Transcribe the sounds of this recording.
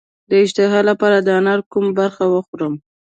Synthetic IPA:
d̪əɪʃt̪ɪɦɑlapɑɾad̪əanɑɾkumabaɾxawəxuɾəm

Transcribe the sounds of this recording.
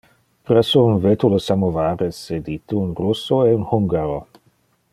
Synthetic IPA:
prɛsounvet̪uləsamovaːɾesed̪it̪əunrusːoeunhuŋɡaɾo

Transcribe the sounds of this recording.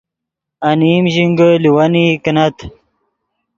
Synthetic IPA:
animʑiŋɡəliwɐnikɐnɐt̪ʰ

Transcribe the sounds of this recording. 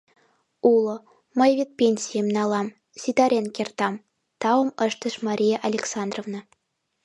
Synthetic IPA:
ulˠŏ | mɤ̆jvʲet̪̚pʲenʲsʲijemnɑlˠɑm | sʲit̪ɑɾʲenkʲert̪ɑm | t̪ɑɤ̆mɤ̆ʃt̪ɤ̆ʃmɑɾʲijeʔɑlʲeksɑnd̪rovnɤ̆

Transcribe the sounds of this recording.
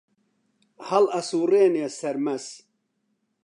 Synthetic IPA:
hɐlɐsuːreːnesɐɾmɐs

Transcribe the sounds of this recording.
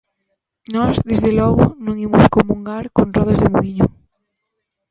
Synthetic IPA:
nɔzðezðelɔɣʊnõŋimoskomuŋɡaɾkonrɔð̞azðemoɣiɲʊ

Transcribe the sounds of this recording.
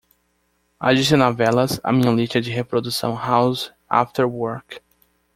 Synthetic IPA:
a̰d͡ʒisɪnavɛlɐza̰mĩɲɐ̃liʃtɐd͡ʒɪɦepɾod̪usɐ̰̃w̃hawz | a̰ft̪eɾwoɾk

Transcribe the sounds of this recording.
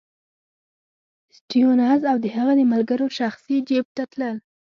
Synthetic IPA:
sʈionɑzawd̪əhaɣad̪əmalɡaɾoʃaxsid͡ʒeb̚t̪at̪ləl

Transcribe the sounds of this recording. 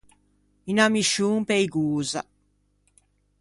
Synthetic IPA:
inamiʃuːŋpejɡuːza̰

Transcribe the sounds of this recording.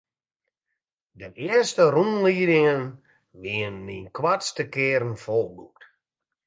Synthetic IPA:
dəʔɪəstərunliːdɪŋən | ʋiənːinkwatstəkɪːɾn̩folˠbuk̚t

